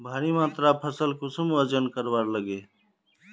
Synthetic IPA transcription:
bʱaːɾimãːt̪ɾapʰəsəlkʊsəməd͡ʒənkəɾʋaːɾləɡe

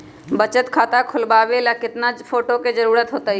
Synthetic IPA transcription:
bət͡ʃət̪kʰaːt̪akʰʊlbaːʋelakɪt̪napʰoːʈoked͡ʒəɾuːɾət̪ɦoːt̪aɦi

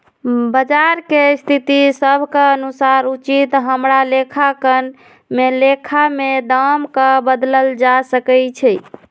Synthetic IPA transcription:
bəd͡ʒaɾkest̪ʰit̪isəbʱkeənusaɾut͡ʃit̪ɦəmɾalekʰakən | melekʰamed̪amkəbəd̪ləld͡ʒasəkɛt͡ʃʰɛ

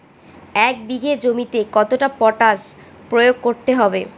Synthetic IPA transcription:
ɛk̚biɡed͡ʑomit̪ekɔt̪oʈapɔʈaʃ | pɾojoɡ̚koɾt̪eɦɔbe

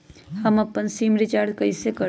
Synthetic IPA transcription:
hɐmɐpːənsiːmɾɪt͡ʃaːɾd̪kɐisekə

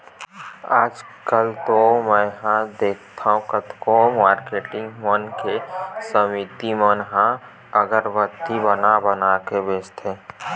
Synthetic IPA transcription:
aːd͡ʒkəlt̪omɛ̃ɦãd̪eːk̚ʰt̪ʰaɦũkət̪komaːɾkeːʈɪ̃ŋɡmənkesəmit̪imənɦã | əɡəɾbət̪ːibənabənakebest̪ʰe

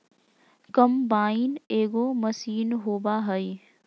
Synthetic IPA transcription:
kəmbaːɪneːɡoːməsiːnɦoːbaɦəi

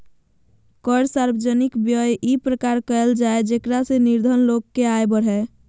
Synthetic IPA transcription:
kəɾsaɾbəd͡ʒənikbjəjʔipɾəkaɾkəeld͡ʒaed͡ʒekɾaseniɾd̪ʱənlokːeajbəɽ̤ɦɛ

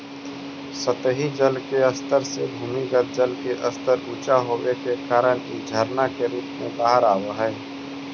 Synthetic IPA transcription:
sət̪ɦid͡ʒəlkeəst̪əɾsebʱuːmiɡəɾ̚d͡ʒəlkeʔəst̪əɾuːt͡ʃaɦoːwekekaːɾəñḭd͡ʒʱəɾnakeɾuːpmẽbaːɦəɾaːwaɦɛː

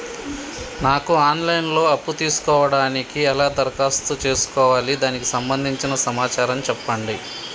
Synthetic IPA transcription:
naːkuaːnlɐjnlo̞ːɐpːut̪iːsu̥kɔːʋɐɽaːnikiɛlaːd̪ɐɾkaːst̪ut͡ʃe̞ːsu̥kɔːʋaːlid̪aːniki̥sɐmbɐnd̪ʱiɲt͡ʃinɐsɐmaːt͡ʃaːɾɐmt͡ʃɛpːɐɳɖi

